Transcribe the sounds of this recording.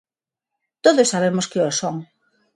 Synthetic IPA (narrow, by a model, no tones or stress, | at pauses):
t̪oðosːaβemoskeosoŋ